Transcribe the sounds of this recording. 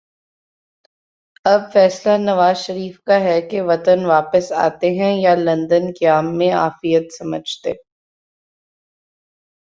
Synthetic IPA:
ɐb̚fɛːslanɐʋaːzʃɐɾiːfkaɦɛkeʋɐt̪ənʋaːpəsa̰ːt̪eɦɛ̃jalɐ̃nd̪ənkaːmːẽa̰ːfijət̪sɐməd͡ʒʱt̪ḛː

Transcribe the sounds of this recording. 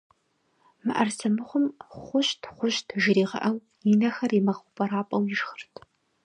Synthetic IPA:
mɨ̰ʔɐrsɐmɨχʷʊmχʷʊʃtʰχʷʊʃtʰʒɪɾiːʁɐ̰ʔɐw | jinɐxɐrimɐχʷʊpʼɐɾaːpʼɐwiʒxərtʰ

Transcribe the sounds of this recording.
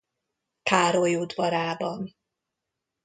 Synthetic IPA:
k̪ʰaːɾojoːd̪vɒɾaːbɒn

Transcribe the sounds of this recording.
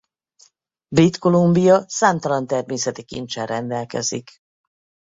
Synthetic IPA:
bit̪ko̞lumbijɒsaːmt̪ɒlɒnt̪ɛrmeːsɛt̪ikḭnt͡ʃɛrɛnd̪ɛlkɛ̰zik

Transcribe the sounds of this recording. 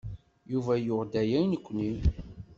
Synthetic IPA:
juvæjʊʁd̪æjæjnəkʷːni

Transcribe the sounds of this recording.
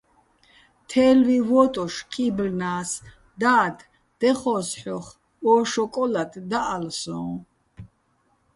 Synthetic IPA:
t̪ʰɛːlvivɔt̪ʼɔʃkʰibɾnaːs | d̪aːd̪ʰ | d̪̥ɛχɔːsħɔχ | ɔʃɔkʼɔlat̪ʰd̪aʔːlsɔ̰̃ː

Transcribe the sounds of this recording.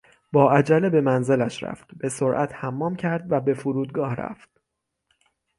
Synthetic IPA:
bɒːæd͡ʒælebe̞mænze̞læʃɾæ̰ft̪be̞soɾʔæt̪hæmːɒːmcʰæɾd̪væbe̞fuɾuːd̪̚ɡɒːhɾæ̰ft̪̚

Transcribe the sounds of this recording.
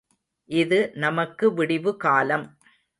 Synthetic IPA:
ʔɪðɯnɐmɐkːɯʋɪɽɪʋɯkaːlɐm

